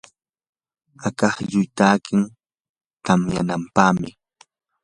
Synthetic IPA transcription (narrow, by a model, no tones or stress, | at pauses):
akɑχjʊjt̪aːkɪŋ | t̪amja̰nampaːmɪ